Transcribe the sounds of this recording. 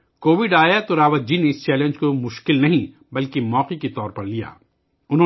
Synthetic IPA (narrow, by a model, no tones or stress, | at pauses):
koːʋɪɖaːjat̪oɾaːʋad͡ʒineɪst͡ʃɛːlẽnd͡ʒkomʊʃkɪlnɐɦĩ | bɐlkemɔːqiket̪ɔːɾpɐɾlija̰ː | ʊnɦõː